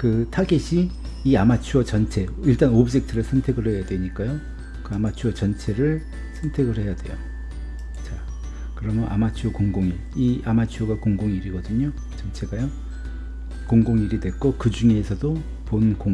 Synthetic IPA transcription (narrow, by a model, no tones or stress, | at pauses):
kɯtʰaɡeɕʰiː | amat͡ɕʰuʌt͡ɕʌnt͡ɕʰe̞iɭt͈anobd͡ʑe̞k̚tʰɯɾɯɭsʰʌntʰe̞ɡɯɭɦe̞jadwe̞ɲik͈ajo | kɯamat͡ɕʰuʌt͡ɕʌnt͡ɕʰe̞ɾɯɭ | sʰʌntʰe̞ɡɯɭhe̞jadwe̞̰jo̰ | t͡ɕa | kɯɾʌmʌnʔa̰mat͡ɕʰuokoŋɡoŋi | iʔamat͡ɕʰuʌɡakoŋɡoŋiɾiɡʌdɯɲo | t͡ɕʌnt͡ɕʰe̞ɡajo | koŋɡoŋiɾidwe̞k͈okɯd͡ʑuŋe̞ːsʰʌdo | ponko